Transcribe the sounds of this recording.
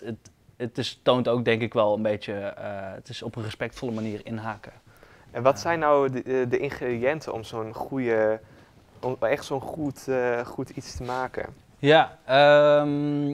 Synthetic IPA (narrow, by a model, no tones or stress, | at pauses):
ət | ətɪstowntowk̚dɛŋkɪkʋɛlˠənbejtjəəətɪsɔpənrəspɛk̚tfɔləmaniːrɪnɦakə | ɛnʋɔtsɛjnːawdəʔɪnχeːdiɛntʰəɔ̰msoːnχujə | ɛχtsoːnχutχutitstəmaːkə̰ | jaəm